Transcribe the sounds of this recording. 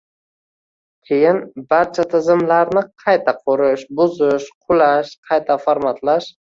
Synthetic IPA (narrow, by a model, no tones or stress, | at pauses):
kʲʰejɪnbaɾt͡ʃʰat̪ʰɪzɪmlaɾnɪqʰɑjt̪ʰaqʰoɾɪʃbʊzɪʃqʰʊlaʃqʰɑjt̪ʰafoɾmat̪ʰlaʃ